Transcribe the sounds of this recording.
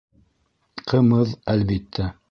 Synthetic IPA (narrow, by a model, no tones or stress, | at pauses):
qʰɤ̆mɤðælbit̪ʰːæ